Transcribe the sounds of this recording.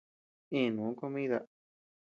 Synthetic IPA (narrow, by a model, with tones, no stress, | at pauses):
ĩ˦˨nũː˨˦ko˦˧mĩ˦ða˧